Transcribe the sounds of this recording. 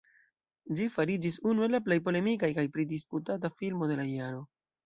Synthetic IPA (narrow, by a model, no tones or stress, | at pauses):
d͡ʒifaɾid͡ʒis̬unue̞laplejpo̞le̞mikajkajpɾidisputatafilmo̞de̞lajaɾo̞